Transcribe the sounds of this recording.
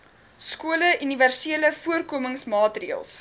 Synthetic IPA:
skuələʔyniværsiələfuərkuəməŋsmɑːtriəlˠs

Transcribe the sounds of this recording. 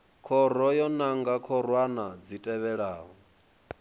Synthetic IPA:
kʰɔɾ̤ɔjɔnaŋɡakʰɔɾwanad͡zitʼɛβɛɺaːɦɔ

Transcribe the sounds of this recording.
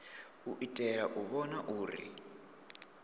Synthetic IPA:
uʔitʼɛɺaʔuβɔnaʔuːɾḭ

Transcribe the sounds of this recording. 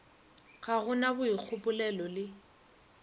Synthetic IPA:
ɣaɣʊnabʊik͡xʰʊpʊlɛlɔlɪ

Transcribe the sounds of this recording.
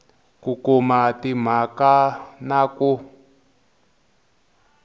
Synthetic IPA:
kukumatim̤akanaku

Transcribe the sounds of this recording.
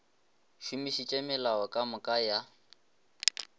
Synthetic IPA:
ʃumiʃit͡ʃʼɛmɪlaɔkʼamʊkʼaja

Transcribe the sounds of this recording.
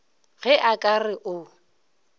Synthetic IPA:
ɣɛʔakʼarɪʔʊ

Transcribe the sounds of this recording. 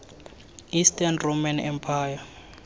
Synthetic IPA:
istʰʼɛnromanɛmpʰaːja

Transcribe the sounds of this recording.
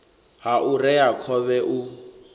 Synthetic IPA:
ɦaʔurɛakʰɔβɛʔu

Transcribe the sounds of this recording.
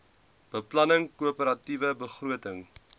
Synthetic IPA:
b̥əplɐnəŋkuəpəɾɐtivəbəχruətəŋ

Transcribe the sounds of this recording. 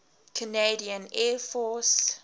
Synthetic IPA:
kʰəneɪdiə̃nɛfɔs

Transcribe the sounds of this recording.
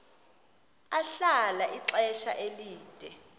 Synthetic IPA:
aɬalaʔiǀɛʃa̰ʔeliːd̥ʱɛ

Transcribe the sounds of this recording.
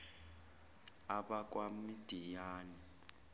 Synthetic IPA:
aɓak̬ʼwamid̥ʱijaːni

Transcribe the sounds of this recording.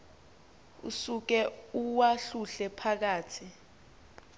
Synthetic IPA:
ṵsuk̬ɛuwaɬuɬɛpʰak̬aːtʰi

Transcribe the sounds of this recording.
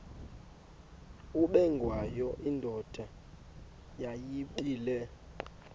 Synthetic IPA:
uɓɛŋɡʱwajɔʔindʱɔd̥ʱa | jajiɓiːlɛ

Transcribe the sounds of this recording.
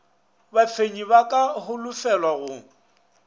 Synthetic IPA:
bafʰeɲibakʼahʊlʊfɛlwaɣʊ

